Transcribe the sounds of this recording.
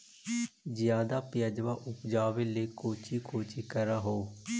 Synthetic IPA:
d͡ʒɪjãːd̪aːpɪjad͡ʒʋaːʔʊpd͡ʒaːʋeːleːkoːt͡ʃiːkoːt͡ʃiːkəɾaːɦoː

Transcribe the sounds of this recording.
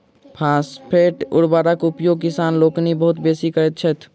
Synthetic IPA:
pʰãːspʰeʈʊ̰ɽbaːɾakʊpjoɡ̚kɪsaːnloːknibəɦʊt̪besikəɾɛt̪̚t͡ʃʰɛt̪ʰ

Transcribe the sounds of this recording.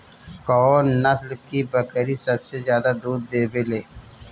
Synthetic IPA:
kɔːnnɐslkibɐkɾisɐbsezjaːd̪ad̪uːd̪ːeːbeleː

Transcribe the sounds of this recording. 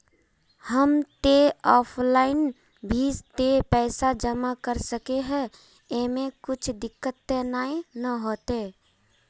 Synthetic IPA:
həmt̪eɔːpʰlaːɪn | bʱid͡ʒt̪epɛːsad͡ʒəmakəɾsəkeɦɛ̃ | emẽkʊt͡ʃʰd̪ɪkːət̪ːenaːenəɦoːt̪eː

